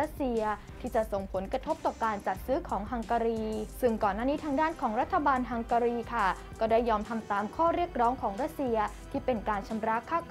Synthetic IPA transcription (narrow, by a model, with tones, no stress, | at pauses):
a˥t̪̚si˧ɐ | t̪ʰiː˥˩t͡ɕa˨˩ʔso˨˩ŋpʰo˩˦nkɾa˧t̪ʰo˦˥p̚t̪ɔː˨pkaː˧nt͡ɕa˨˩t̪̚sɯː˦˥kʰɔː˩˦ŋɦa˧ŋka˧ɾiː˧sɯ˥˩ŋkɔː˨˩nːaː˥˩niː˦˥t̪ʰaː˧˥ŋdaː˥˩nkʰɔː˩˦ŋɾa˦˥t̪ʰːa˧baː˧nɦa˧ŋka˧ɾiː˧kʰa˥˩ | kɔː˥˩daː˥˩jːɔː˧mt̪ʰa˧mt̪aː˧mkʰɔː˥˩ɾi˥˩ək̚ɾɔː˦˥ŋkʰɔː˩˦ŋɾa˦˥t̪̚si˧ɐ | t̪ʰiː˥˩pe˧nkaː˧nt͡ɕʰa˧mɾa˦˥kʰaː˥˩